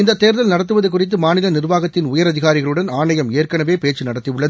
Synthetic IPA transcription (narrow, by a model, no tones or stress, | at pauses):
ɪnd̪ɐt̪ːeːɾðɐlnɐɽɐt̪ːɯʋɐðɐk̬ːʊrɪt̪ːɯmaːnɪlɐnɪrʋaːɣɐt̪ːɪnʊjɐɾɐðɪɣaːɾɪɣɐɭɯɽɐnaːɳɐjɐmeːrkɐɳɐʋeːpeːt͡ʃːɯnɐɽɐt̪ːɪjɯɭːɐðɯ